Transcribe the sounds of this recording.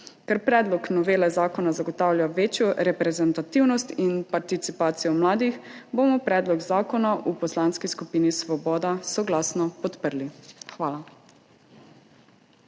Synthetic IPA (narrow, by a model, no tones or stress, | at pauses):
kɛɾpɾɛːd̪lɔknɔʋeːlɛzaːkɔnazaɡɔt̪aːwlʲjaʋeːt͡ʃjɔɾɛpɾɛzɛnt̪at̪iwnɔst̪inpaɾt̪it̪sipaːt̪sijɔmlaːd̪ixbomɔpɾɛːd̪lɔɡzaːkɔnaʔupɔslaːnskiskupiːnisʋɔbɔːd̪asɔɡlaːsnɔpɔt̪pəɾlixʋaːla